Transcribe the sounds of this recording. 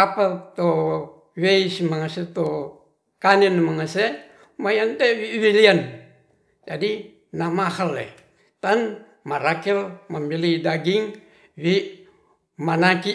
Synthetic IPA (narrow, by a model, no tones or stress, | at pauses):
apat̪o | wesmaŋaset̪o | kanenmaŋase | majantewiwilian | d͡ʒadi | namahalḛ | t̪an | maɾakilmamilidaɡiŋ | wi | manaki